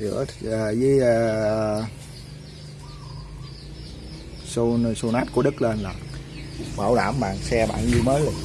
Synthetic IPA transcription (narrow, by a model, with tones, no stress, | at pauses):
zɨ̰˧˥əəː˨˩zəː˨˦j | so˧su˧naː˦˥t̚ku˧˩əɗɨ˦˥k̚le˧nlaː˨˩ | ɓaː˧˩wɗa̰ː˧˩mɓa̰ː˨˩ŋsɛ˧ɓa̰ː˧˨nzu˧məː˨˦jo˨˩